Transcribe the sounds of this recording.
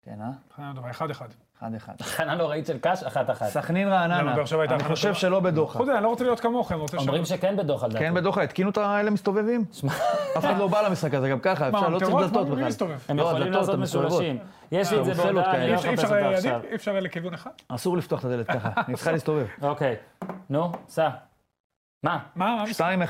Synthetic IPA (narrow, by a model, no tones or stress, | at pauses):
kḛnaanand̪ovaeχad̪ead̪ | eχa̰d̪eχa̰d̪ananloʁaitʃelkaʃaχat̪aχa̰tsaχninʁaːnanabeaχʃavajataniχoʃe̞vʃelo̞be̞d̪o̞χaod̪eaniloot͡selijo̞t̪kamo̞χemʁot͡seomʁimʃekenbed̪oχald̪akenbed̪oχait̪kinut̪aelemist̪o̞vevimʃmaafeχadlo̞balamisχakazeɡamkaχaeʃaʁloʁilat̪ot̪beailst̪ovevemjeoadlatmesovevoʃim | jeʃlizeelokaeʃaʁejad̪iifʃaʁlekivuneχad̥̪asuʁlift̪oaχt̪ade̞let̪kaχanitsi̥xalist̪o̞vevokejnusa | mamaaʃt̪aime